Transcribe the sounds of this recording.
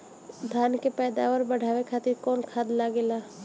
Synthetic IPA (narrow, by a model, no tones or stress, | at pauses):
d̪ʱaːnkepɛːd̪a̰ːʋəɾbɐɽ̤ʱaːʋekʰaːt̪ɪɾkɔːnkʰaːd̪laɡɪlaː